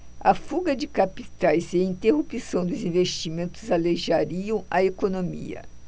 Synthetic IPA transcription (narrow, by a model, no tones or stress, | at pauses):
ɐfuɡɐd͡ʒɪkapit̪ajzeĩnt̪eɦupisɐ̃w̃d̪ʊzĩvest͡ʃimẽnt̪ʊzaleʒaɾiɐ̃w̃ɐekonomḭɐ̰